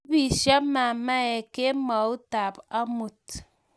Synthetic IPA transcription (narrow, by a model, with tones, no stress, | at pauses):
bi˨ʃa˦ma˨ma˦e˨ke˦ma˨u˦ta˨pa˦mu˨t̚